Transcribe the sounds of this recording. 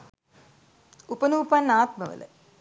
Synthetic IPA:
upɐnuːpanːaːt̪mɐʋɐ̰lɐ̰

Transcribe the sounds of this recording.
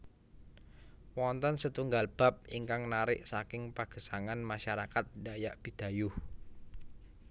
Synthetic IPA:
wɔnt̪ɔnsət̪uŋɡalb̥a̤p̚iŋkaŋnaɾɪʔsakɪŋpaɡ̥ə̤saŋanmaʃaɾakat̪̚dajaʔb̥i̤d̪̥a̤jʊh

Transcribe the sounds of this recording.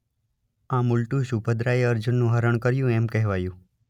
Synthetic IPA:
ãmʊlʈũʃubʱəd̪ɾaeəɾd͡ʒunːũɦəɾəɳ̃kəɾjũɛmkɛɦʋajũ

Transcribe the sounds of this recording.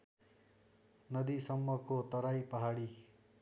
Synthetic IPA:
nʌd̪isʌmːʌkot̪ʌɾajpʌɦaɽi

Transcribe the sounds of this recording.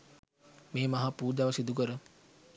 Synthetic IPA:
meːmɐɦapuːd̪aʋsid̪uk̬əɾə

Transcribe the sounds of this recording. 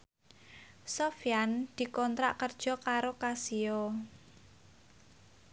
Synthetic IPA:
sofjand̪̥i̤kɔnt̪ɾa̰ʔkərd̥ʒ̥ɔ̤kaɾokasio

